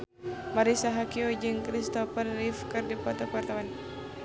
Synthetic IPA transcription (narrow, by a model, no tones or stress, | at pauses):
maɾisaɦakiod͡ʒɨŋkɾist̪ɔfərːifkɨrdipɔt̪apart̪aman